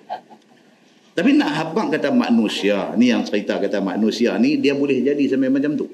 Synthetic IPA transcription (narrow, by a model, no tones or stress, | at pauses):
t̪apinaʔɦabaʔkat̪ama̰ʔnusianijaŋt͡ʃəɾit̪akat̪ama̰ʔnusianidiabolɛhd͡ʒadisampamat͡ʃamt̪u